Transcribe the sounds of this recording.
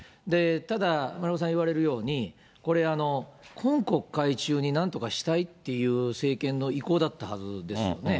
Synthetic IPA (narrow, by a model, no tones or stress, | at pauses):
d̪e̞t̪ad̪amaɾios̬ãiβaɾe̞ɾɯ̟jo̞ːɲ̟i | ko̞ɾe̞ano̞kʰõ̞ŋko̞kːait͡ɕɨːɲ̟inãnt̪o̞kaɕi̥t̪ait̪ːe̞jɯ̟ːse̞ːkẽ̞nːo̞iko̞ːd̪at̪ːahazɨd̪e̞sɨjjo̞̰ne̞